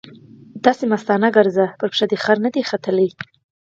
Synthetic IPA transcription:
d̪̥ɑsemast̪ɑnaɡaɾzapəɾpʂad̪exaɾnad̪exat̪ələj

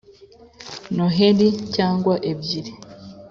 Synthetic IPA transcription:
noɦeɾicaːŋɡwaʔebiɾe

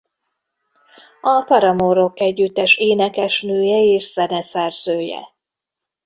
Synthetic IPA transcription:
ɒfɒɾɒmoɾo̞kːɛɟːyt̪ːɛʃeːnɛkɛʃnøːjɛeːʃz̥ɛnɛsɛrz̥øːjɛ̰

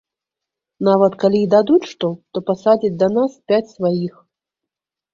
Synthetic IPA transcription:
navɐt̪kalʲiːd̪ad̪ut͡sʲʂt̪ɔt̪ɔpasad͡zʲit͡sʲd̪ɐnaspʲat͡sʲsvajix

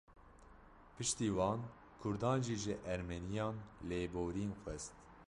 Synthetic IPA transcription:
pʰɨʃt̪iːwɑːn | kʰʊɾd̪ɑːnʒiːʒɨʔɛɾmɛnijɑːnleːboːɾiːnxʷɛst̪

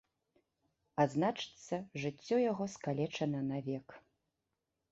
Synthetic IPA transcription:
aznat͡ʂɨ̥t̪sːɐʐɨt͡sʲːɔjaɣɔskalʲɛt͡ʂɐnɐnavʲɛk

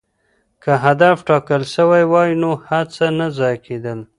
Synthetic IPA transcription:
kʰəɦad̪afʈɑkəlʃəwajwɑjinohat͡sanazɑjked̪əl

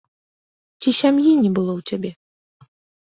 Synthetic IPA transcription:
t͡sʲiɕʲamjinʲɛbɨlˠɔwt͡sʲabʲɛ

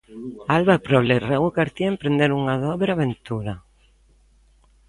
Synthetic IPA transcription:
alβapɾɔlereɣukaɾt̪iempɾend̪eɾuŋaðɔβɾaβent̪uɾa

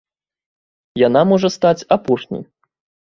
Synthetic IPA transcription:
jan̪amɔʐɐst̪at͡sʲapɔʂnʲḭj

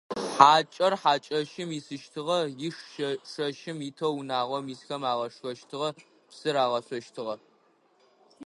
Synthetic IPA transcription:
ħaːt͡ʃʼɐrħaːt͡ʃʼɐʃɪmisɨʃtʰɨʁɐjɪʂʃɐʂɐʃɪmitʰɐwnaːʁʷɐmiːsxɐmaːʁɐʂxɐʃtʰɨʁɐ | psɨɾaːʁɐɕʷɔʃtʰɨʁɐ

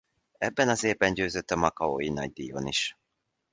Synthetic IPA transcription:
ɛbːɛnɒzeːbɛɲɟøːzøt̪ːɒmɒkɒojinɒ̰ɟ̚d̪ijo̰niʃ

